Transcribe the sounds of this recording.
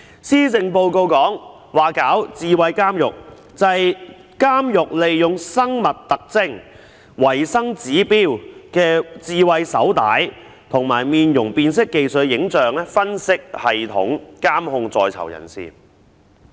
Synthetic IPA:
siː˥t͡sɪ˧ŋpo˧wko˧wkɔː˨˥ŋ | waː˨kaː˨˥wt͡siː˨˧wɐ˨jkaː˥mjʊ̰˨k̚ | t͡sɐ˨˧j | kaː˥mjʊ˨k̚le˨jjʊ˨ŋsɐ˥ŋmɐ˨t̚t̪ɐ˨k̚t͡sɪ˥ŋ | wɐ˨˩jsɐ˥ŋt͡siː˨˥piː˥wkɛː˧t͡siː˨˧wɐ˧jsɐ̰˨˥wt̪aː˨˥j | t̪ʰʊ˨˩ŋmaː˨˩jmiː˨˧njʊ˨˩ŋpiː˨˧nsɪ˥kːe˨jsɵ˨t̚jɪ˨˥ŋt͡sœː˨ŋlɛː˥fɐ˥nsɪ˥k̚hɐ˨jt̪ʰʊ̰˨˥ŋkaː˥mhʊ˧ŋt͡sɔː˧jt͡sʰɐ̰˨˩wjɐ̰˨˩nsḭː˨

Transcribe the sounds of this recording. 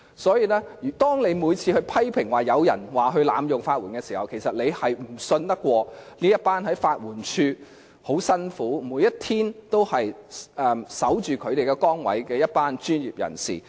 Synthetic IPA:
sɔː˨˥jiː˨˧lɛː˥˨˩t̪ɔː˥ŋne˨˧jmuː˨˧jt͡sʰiː˧hɵ˧ɥpʰɐ˥jpʰɪ˨˩ŋwaː˨jɐ˨˧wjɐ˨˩nwaː˨ɦɵ˧ɥla̰ː˨˥mjʊ˨ŋfaː˧t̚wuː˨˩nkɛ˧siː˨˩hɐ˨wkʰe˨˩jsɐ˨t̚le˨˧jhɐ˨jm̩˨˩sɵ˧nt̪ɐ˥kʷːwɔː˧niː˥jɐ˥t̚paː˥nhɐ˨˥jfaː˧t̚wuː˨˩nt͡ʃʰyː˧ | ho˨˥wsɐ˥nfuː˨˥muː˨˧jɐ˥t̚t̪ʰiː˥nt̪o˥whɐ˨jʔɛː˧˩msɐ˨˥wt͡ʃyː˨˩kʰɵ˨˧ɥt̪e˨jkɛ˧kɔː˥ŋwɐ̰˨˥jkɛː˧jɐ˥t̚paː˥nt͡ʃyː˥njiː˨p̚jɐ̰˨˩nsḭː˨˩

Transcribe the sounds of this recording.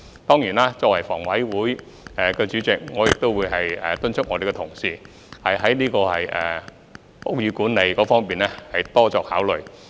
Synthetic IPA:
t̪ɔː˥ŋjiː˨˩naː˥t͡sɔː˧k̚wɐ˨˩jfɔ̰ː˨˩ŋwɐ˨˥jwuː˨˥jː | kɛː˧t͡ʃyː˨˥t͡sɪ˨k̚ŋɔː˨˧jɪ˨k̚t̪o˥wuː˨˧jɦɐ˨jɛː˨t̪ɵ˥nt͡ʃʰʊ˥ŋɔː˨˧e˨jkɛ˧t̪ʰʊ˨˩ŋsiː˨˧ | hɐ˨jɦɐ˨˥jniː˥kɔː˧hɐ̰˨jʔɛ̰ː˨ | pʊ˥jyː˨˧kuː˨˥nle˨˧jkɔː˨˥fɔː˥ŋpiː˨nlɛː˥hɐ˨jt̪ɔː˥t͡sɔː˧˨k̚haː˨˥wlɵ˨˩ɥ

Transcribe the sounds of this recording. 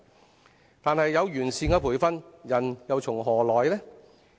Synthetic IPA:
t̪aː˨nhɐ˨jːɐ˨˧wjyː˨˩nsiː˧ŋkaː˧pʰuː˨˩jfɐ˥njɐ˨˩njɐ˨wt͡sʰʊ˨˩ŋɦɔː˨˩lɔː˨˩jlɛː˥

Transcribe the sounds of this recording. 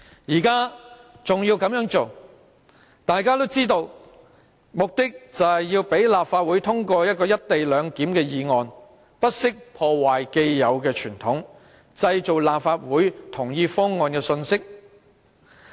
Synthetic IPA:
jiː˨˩kaː˥ | t͡sʊ˨ŋjiː˧wkɐ˧˥mjœː˨˥ŋt͡so˨w | t̪aː˨jkaː˥t̪o˥wt͡siː˥t̪o˧w | mʊ˨k̚t̪ɪ˥k̚t͡sɐ˨hɐ˨jjiː˧wpe˨˥jlaː˨pfaː˧t̚wuː˨˥jt̪ʰʊ˥ŋkɔː˧jɐ˥t̚kɔː˧jɐ˥t̚t̪e˨jlœː˨˧ŋkiː˨˥mkɛː˧jiː˨ŋɔː˨n | pɐ˥t̚sɪ˥k̚pʰɔː˧waː˨˩jke˧jːɐ˨˧wkɛː˧t͡ʃʰyː˨˩nt̪ʰʊ˨˥ŋ | t͡sɐ˧jt͡so˨wlaː˨pfaː˧t̚wuː˨˥jt̪ʰʊ˨˩ŋjiː˧fɔː˥ŋːɔː˨nkɛː˧sɵ˧nsɪ˥k̚

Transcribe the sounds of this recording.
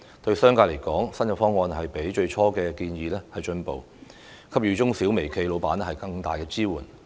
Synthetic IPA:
t̪ɵ˧ɥsœː˥ŋkaː˧le˨˩jkɔː˨˥ŋsɐ˥nkɐ˧˩fɔː˥ŋːɔː˧nɦɐ˨jpe˨˥jt͡ʃɵ˧ɥt͡ʃʰɔː˥kɛː˧kiː˧njiː˧lɛː˥hɐ˨jt͡ʃɵ˧npo˨w | kʰɐ˥p̚jyː˨˧t͡ʃʊ˥ŋsiː˨˥wme˨˩jkʰe˧jlo˨˧wpaː˨˥nɛ˥hɐ˨jkɐ˧ŋt̪a̰ː˨jkɛː˧t͡siː˥wuː˨˩n

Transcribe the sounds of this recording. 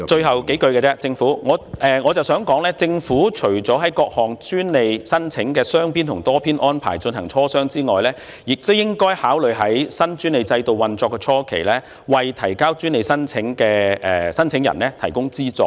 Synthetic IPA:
t͡ʃɵ˧ɥɦɐ˨wke˨˥jkɵ˧ɥkɛ˧t͡sɛː˥t͡sɪ˧ŋfuː˨˥ŋɔː˨˧ʔɛː˨˧ŋɔː˨˧t͡sɐ˨wsœː˨˥ŋkɔː˨˥ŋlɛː˥t͡sɪ˧ŋfuː˨˥t͡ʃʰɵ˨˩ɥt͡sɔː˨˥ɦɐ˨˥jkɔː˧k̚hɔː˨˩ŋt͡ʃyː˥nle˨jsɐ˥nt͡sʰɪ˨˥ŋkɛː˧sœː˥ŋpʰiː˥nt̪ʰʊ˨˩ŋt̪ɔː˥pʰiː˥nʔɔː˥npʰa̰ː˨˩jt͡ʃɵ˧nɦɐ˨˩ŋt͡sʰɔː˥sœː˥ŋt͡siː˥ŋɔː˨jlɛː˦˥ | jɪ˨k̚t̪wjɪ˥ŋkɔː˥jhaː˨˥wlɵ˨ɥɦɐ˨˥jsɐ˥nt͡ʃyː˥nle˨jt͡sɐ˧jt̪o˨wɐ˨nt͡sɔː˧kːɛː˧t͡ʃʰɔː˥kʰḛ˨˩jlɛː˥ | wɐ˨jt̪ʰɐ˨˩jkaː˥wt͡ʃyː˥nle˨jsɐ˥nt͡sʰɪ˨˥ŋkɛː˧ɛː˨sɐ˥nt͡sʰɪ˨˥ŋjɐ̰˨˩nlɛː˥t̪ʰɐ˨˩jkʊ˥ŋt͡siː˥t͡sɔ̰ː˧

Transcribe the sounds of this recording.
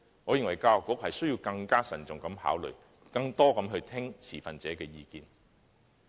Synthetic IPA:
ŋɔː˨˧jɪ˨˩ŋwɐ˨˩jkaː˧˨kʷːʊ˨˥k̚hɐ˨jsɵ˥ɥji˧wkɐ˧ŋkaː˥sɐ˨˩nt͡sʊ˨˩ŋkɐ˨˥mha̰ː˨˥wlɵ̰˨ɥ | kɐ˧ŋt̪ɔː˥kɐ˨˥mɦɵ˧ɥt̪ʰɪ˥ŋt͡sʰiː˨˩fɐ˨nt͡sɛː˨˥kɛː˧jiː˧kiː˨n

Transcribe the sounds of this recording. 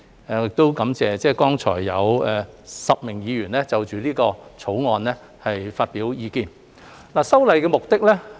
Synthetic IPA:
ɪ˨k̚t̪o˥wkɐ˨˥mt͡sɛː˨t͡sɛː˥kɔː˥ŋt͡ʃʰɔ̰ː˨˩jːɐ˨˧wɛː˨sɐ˨p̚mɪ˨˩ŋjiː˨˧jyː˨˩nlɛː˥t͡sɐ˨wt͡ʃyː˨liː˥kɔː˧t͡sʰo˨˥wŋɔː˨˧nlɛː˥ | hɐ˨jfaː˧t̚piː˨˥wjiː˨˧kiː˧n | laː˨˩sɐ˥wlɐ˨˧jkɛː˧mʊ˨k̚t̪ɪ˥k̚lɛː˥

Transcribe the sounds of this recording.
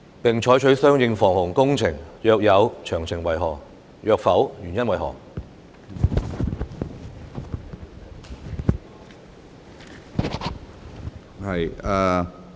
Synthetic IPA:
pɪ˨ŋt͡ʃʰɔː˨˥jt͡ʃʰɵ˨˥ɥsœː˥ŋjɪ˧ŋfɔː˨˩ŋhʊ˨˩ŋkʊ˥ŋt͡sʰɪ˨˩ŋjœː˧k̚jɐ˨˧wt͡ʃʰœː˨˩ŋt͡sʰɪ˨˩ŋwɐ˨˩jɦɔː˨˩ŋ | jœː˧k̚fɐ˨˥wjyː˨˩njɐ˥nwɐ˨jɦɔ̰ː˨˩ŋ | hɐ˨jaː˧

